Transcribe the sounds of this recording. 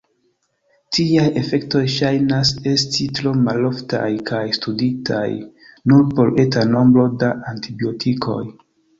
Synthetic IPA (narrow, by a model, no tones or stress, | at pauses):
tʰiaje̞fe̞kto̞jʃajnase̞stitɾo̞malo̞fta̰jkʰajstuditʰa̰j | nuɾpo̞le̞tano̞mbɾo̞daʔantibiotʰikʰo̞̰j